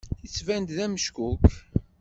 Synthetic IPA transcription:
ət͡sːvænt̪ðæməʃkuk

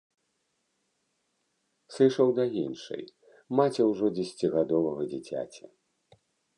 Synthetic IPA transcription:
sɨʂɐwd̪ɐinʂɨ̰j | mat͡sʲɛwʐɔd͡zʲɛsʲt͡sʲiɣad̪ɔvɐɣɐd͡zʲit͡sʲa̰t͡sʲɐ

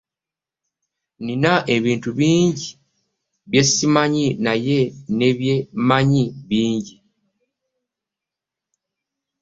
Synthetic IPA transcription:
ninaʔe̞βiːntuβiːɲɟi | βje̞simaɲinaje̞ne̞βjemaɲiβiːɲɟi

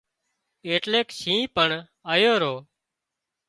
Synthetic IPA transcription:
eːʈleːkʃĩːpəɳ | aːjoːɾoː

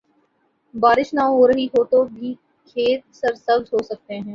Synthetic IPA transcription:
baːɾɪʃnaɦoːɾəɦiɦoːt̪obʱiː | kʰeːt̪̚sɐɾsɐbzɦoːsɐk̚t̪eɦɛ̃ː

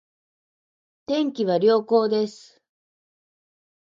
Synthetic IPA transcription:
t̪ẽ̞ŋkʲiβaɾʲjo̞ːko̞ːd̪e̞sɨ̥

